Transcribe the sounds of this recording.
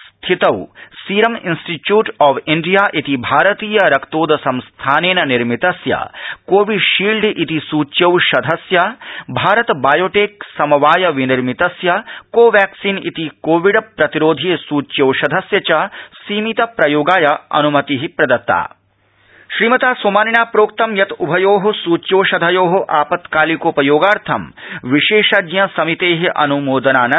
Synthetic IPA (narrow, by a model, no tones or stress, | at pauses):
st̪ʰit̪ɐwsiːɾɐminsʈiʈjuːʈɔːʋiɳɖijaːʔit̪ibʱaːɾɐt̪iːjɐɾɐkt̪oːd̪ʱɐsɐ̃mst̪ʰaːneːnɐniɾmit̪ɐsjɐ̰koːʋiɖʃiːlɖʱʔit̪isuːt͡ʃjɐwʃɐd̪ʱɐsjɐbʱaːɾɐt̪baːjoːʈeːksɐmɐʋaːjɐʋiniɾmit̪ɐsjɐkoːʋæːksiːnḭt̪ikoːʋiɖɐpɾɐt̪iɾoːd̪ʱisuːt͡ʃjɐwʃɐd̪ʱɐsjɐt͡ʃɐsiːmit̪ɐpɾɐjoːɡaːjɐɐ̰numɐt̪iɦipɾɐd̪ɐt̪ːa̰ː | ʃɾiːmɐt̪aːsoːmaːninaːpɾoːk̚t̪ɐmjɐt̪ubʱɐjoːɦɐsuːt͡ʃjoːʃɐd̪ʱɐjoːɦoʔaːpɐt̪kaːlikoːpɐjoːɡaːɾt̪ʰɐ̰mʋiʃeːʃɐd̪jɐsɐmit̪eːɦiʔɐ̰numoːd̪ɐnaːnɐ